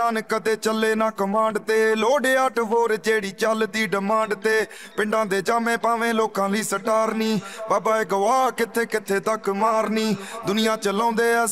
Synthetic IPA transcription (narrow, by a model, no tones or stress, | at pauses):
aːnkəd̪eːt͡ʃəlːeːnaːkəmãːɳɖt̪eːloːɽeːəʈʰɦoːɾd͡ʒeːɽiːt͡ʃəlt̪iːɖɪmãːɳɖt̪eː | pɪ̃ɳɖãːd̪eːd͡ʒaːmẽːpaːʋẽːloːkãːləiːsəʈaːɾniːbaːbaːeːɡəʋaːkɪt̪ʰːeːkɪt̪ʰːeːt̪əkmaːɾniːd̪ʊnɪjãːt͡ʃəlãːnd̪eːɛː